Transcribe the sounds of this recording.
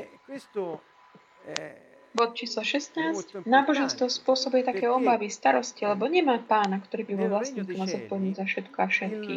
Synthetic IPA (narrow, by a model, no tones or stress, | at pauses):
bɔt̪̚t͡ʃiːslaʃɛst̪naːscnaːbɔʒɛnst̪ʋɔspʊɔsɔbujɛt̪akɛjɔbaʋist̪aɾɔscilɛbɔɲɛmaːpaːnakt̪ɔɾiːbibɔlʋlasɲiːkɔmazɔt̪̚pɔɛɲuːzafʃɛt̪kɔafʃɛt̪kiː